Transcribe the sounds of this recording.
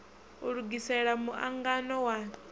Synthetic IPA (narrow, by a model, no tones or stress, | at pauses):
uɺuɡisɛɺamuʔa̰ŋɡanɔwa